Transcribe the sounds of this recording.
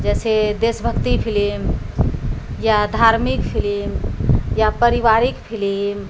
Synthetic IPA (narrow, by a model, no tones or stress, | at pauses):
d͡ʒɛsed̪esbʱəkt̪ipʰilim | jad̪ʱaɾmikpʰilimjapəɾiβaɾikpʰilim